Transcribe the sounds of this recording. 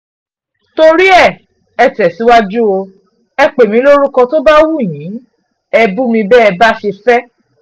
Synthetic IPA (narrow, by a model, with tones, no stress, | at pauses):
to˧ɾi˦ɛ˦˨ | ɛ˧˨tɛ˨si˨˦wa˦d͡ʒu˦o˧ | ɛ˧k͡pe˨mĩ˧˦lo˦ɾu˦kɔ̃˧to˦ba˦wu˦˨j̃ĩ˨˦ | ɛ˧bũ˦mĩ˧bɛː˦ɛ˧ba˦ʃe˧fɛ˦